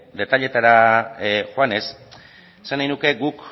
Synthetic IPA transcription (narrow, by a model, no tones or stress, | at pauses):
d̪e̞t̪aʎe̞t̪aɾa | xoane̞s | esanajnuke̞ɡuk